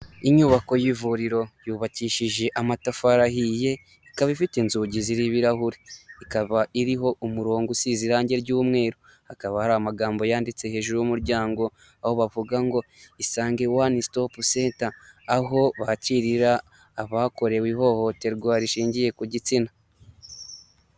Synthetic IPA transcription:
iɲuːβako̞jivuɾiɾo̞juːβaciːʃiʒe̞ʔamatafaɾahije̞ | ikaβaifitenzuːɟiziɾiβiɾahuɾiikaβaʔiɾiɦo̞ʔumuɾoːŋɡusiziɾaːɲɟe̞ɾɟuːmŋe̞ːɾo | hakaβahaɾamaɡaːmbo̞jaːndit͡se̞he̞ːʒuɾujumuɾɟaːŋɡo̞ | aho̞βavuɡaŋɡo̞isaːŋɡe̞wanistopuse̞ːntaːɦo̞βaciɾiɾaː | βaːko̞ɾe̞wiɦo̞ho̞te̞ɾɡwaːɾiʃiːɲɟije̞kuɟit͡sina

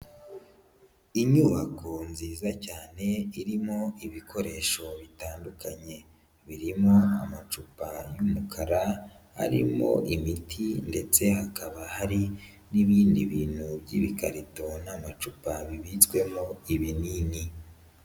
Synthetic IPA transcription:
iɲuːβakonziːzacaːne̞iɾimo̞iβikʰo̞ɾe̞ːʃo̞βitaːndukaɲe̞ | βiɾimo̞amat͡ʃupajumukʰaɾa | a̰ɾḭmo̞̰ʔimitʰinde̞t͡se̞hakaβahaɾi | niβiːndḭβiːn̥hubɟiβikaɾito̞namat͡ʃupaβiβit͡sɡwe̞mo̞iβiniːni

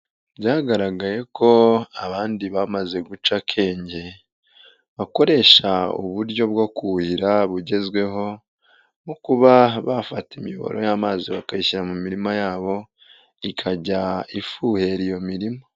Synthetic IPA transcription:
bɟaːɡaɾaɡaje̞kʰo̞aβaːndiβamaze̞ɡut͡ʃakʰe̞ːɲɟe̞ | βako̞ɾe̞ːʃaṵβuɾɟo̞bɡo̞kuhiɾaβuɟe̞zɡwe̞ɦo̞ | nukuβaβafatimijo̰βo̰ɾo̞̰jaːmaːziβakaiʃiɾamumiɾimajaːβo̞ | ikʰaɟaifuhe̞ɾijo̞miɾimo

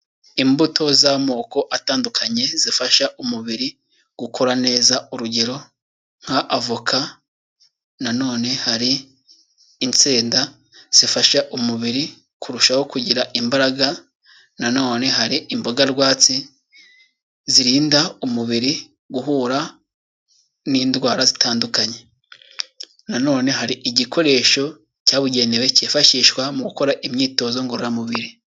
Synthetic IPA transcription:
imbutʰo̞zamo̞ːko̞ʔataːndukʰaɲe̞zifaʃaʔumuβiɾi | ɡ̥ukʰoɾane̞ːzauɾuɟe̞ɾo̞ | ŋ̥haʔavukʰa | nano̞ːne̞haɾiː | nt͡seːnda | z̥ifaʃaʔumuβiɾi | kʰuɾuʃaho̞kuɟiɾaʔimbaɾaɡa | nano̞ːne̞ɦaɾiimbo̞ɡaɾɡwaːt͡si | ziɾiːndaumuβiɾi | ɡuɦuːɾa | niːndwaːɾazitʰaːndukaɲe̞ | nano̞ːne̞ɦaɾiʔiɟikʰo̞ɾe̞ːʃo̞ | caːβuɟe̞newe̞ceːfaʃiːʃkwamuɡuko̞ɾaʔimɲiːto̞ːzo̞ŋɡoɾuɾamuβiɾi

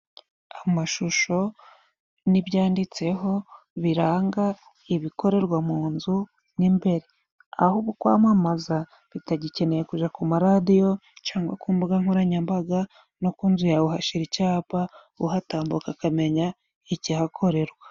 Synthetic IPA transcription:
amaʃuʃo̞ | niβjaːndit͡se̞ɦo̞ | βiɾaːŋɡa | iβiko̞ɾe̞ɾɡwamuːnzu | nimbe̞ɾe̞ | a̰huβukwa̰ːmamaza | βitaɟice̞ne̞jekuʒakumaɾadijo̞t͡ʃaːŋɡwa̰kuːmbuɡaŋ̥oɾaɲambaɡa | no̞kunzujauɦaʃiɾicaːpa | ṵɦataːmbukakame̞ɲa | icihakʰo̞ɾe̞ɾɡwa

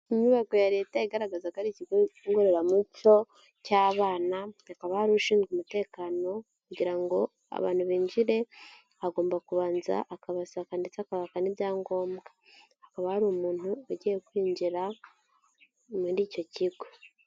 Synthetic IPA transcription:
iɲuβaɡo̞jaɾe̞ːtaeɡaɾaɡazakaɾiciɡŋɡoɾeɾamuco̞ | caːβaːnaakaβahaɾuuʃiːnzɡumute̞ːkaːno̞ | kuɟiɾaŋɡo̞ | a̰βa̰ːn̥huβiːɲd͡ʒiɾe̞ | aɡo̞ːmbakuβaːnza̰ʔːkaβasakandit͡sakaβakanibjaːŋɡo̞ːmbɡḁː | kaβahaɾumuːnuoɟijekwiːɲɟiɾa | muɾiːco̞ciɡo

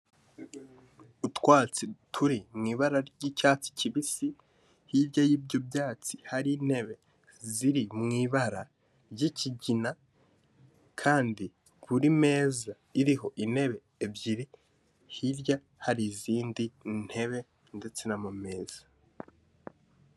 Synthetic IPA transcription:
utwaːt͡sitʰuɾimŋiːβaɾaɾɟicaːt͡si̥ciβisi | hiɾjajiːbɟo̞bɟaːt͡si̥haɾiːn̥e̞βe̞ | ziɾimŋiːβaɾa | ɾɟiciɟina | kʰaːndi | βuɾime̞ːza | iɾiɦo̞ʔine̞βe̞ːbɟiɾi | hiɾja | haɾiziːndin̥he̞βe̞ | nde̞t͡se̞namume̞ːz̥a

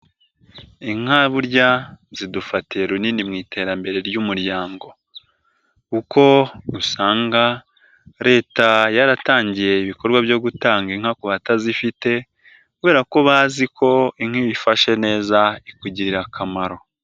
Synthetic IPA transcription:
iŋ̥aβuɾɟazidufatieɾuninimŋiːtʰe̞ːɾambe̞ɾe̞ɾjumuɾjaːŋɡo̞ | kuko̞ɾusaːŋɡa | ɾe̞ːtajaɾataːɲɟije̞iβiko̞ɾɡwaβjo̞ɡutaːŋɡeŋ̥akoβatazifite̞ | kuβe̞ːɾako̞βaːzikʰo̞iŋ̥iβifaʃe̞ne̞ːzaikuɟiɾiɾakʰamaɾo̞

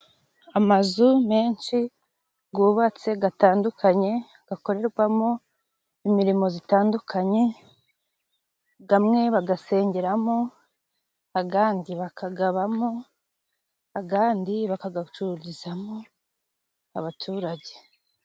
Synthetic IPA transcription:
amazume̞ːnt͡ʃi | ɡuːβat͡se̞ɡataːndukʰaɲe̞ | ɡ̥ako̞ɾe̞ɾɡwamo | imiɾimo̞zitaːndukʰaɲe̞ | ɡamŋe̞βaɡase̞ːɲɟe̞ɾamo̞ | aɡaːndiβakʰaɡaβamo | aɡaːndiβakaɡat͡ʃuɾizamo | a̰βatʰuːɾaɟe̞̥

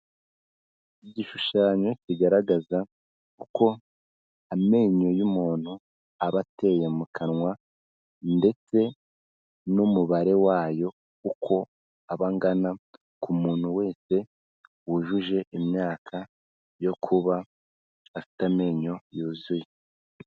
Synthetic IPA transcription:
iɟiʃuʃaːɲo̞ciɡaɾaɡaza | kuko̞ | ame̞ːɲo̞jumuːn̥u | aβate̞jemukʰanŋwa | nde̞t͡se̞ | numuβaɾe̞waːjo̞ | kukʰo̞ | aβaŋɡana | kumuːn̥huwe̞ːse̞ | wuʒuʒe̞ʔimɲaːkʰa | jo̞kʰuβa | afi̥tame̞ːɲo̞juːzuje

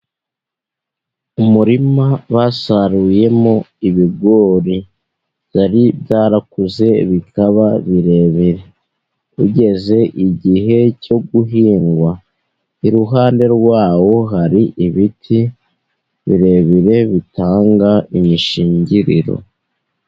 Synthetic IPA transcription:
umuɾimaβasaɾuje̞moiβiɡo̞ːɾi | z̥aɾibjaːɾakuze̞βikaβaβiɾe̞βiɾe̞ | uɟe̞ze̞ʔiɟiɦe̞co̞ɡuɦiːŋɡwa | iɾuɦaːnde̞ɾɡwaːwo̞ɦaɾiʔiβitʰi | βḭɾe̞βiɾe̞βitaːŋɡaiɲiʃiːɲɟiɾḭɾo̞̰

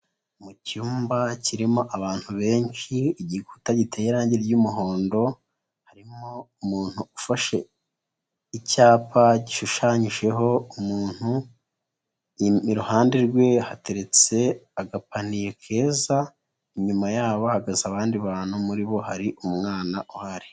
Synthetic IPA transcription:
mucuːmbaciɾimo̞ʔaβaːn̥huβe̞ːɲt͡ʃiːɟikutaɟitʰejeɾaːɲɟeɾɟumuɦo̞ːndo̞ | haɾimo̞umuːn̥uufaʃe̞ | icaːpʰaɟiʃuʃaːɲiʒe̞ɦo̞umuːn̥hu | iiɾuhaːndiɾɡwe̞hate̞ɾe̞t͡se̞aɡapanije̞kʰe̞ːza | iɲumajaːβoahaɡazaβaːndiβaːn̥humuɾiβo̞haɾiʔumŋaːnaʔuhaɾi

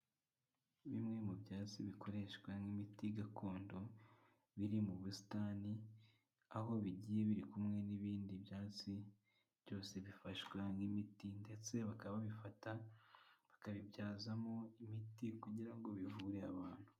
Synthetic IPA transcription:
βimŋe̞mubjaːt͡siβikʰo̞ɾe̞ʃkwaŋimitiɡakʰo̞ːndo̞ | βiɾimuβusi̥tani | aho̞βiɟije̞βiɾikumŋe̞niβiːndibjaːt͡si | βjo̞ːse̞βifaʃwaŋimitinde̞t͡se̞βakaβaβifata | βakaβibjaːzamo̞imitikuɟiɾaŋɡo̞βivuɾeaβaːn̥hu

